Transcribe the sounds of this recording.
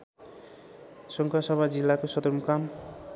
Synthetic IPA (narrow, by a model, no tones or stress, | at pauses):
sɔŋkʰasʌbʱad͡ʒilːakosʌd̪ɔɾmkam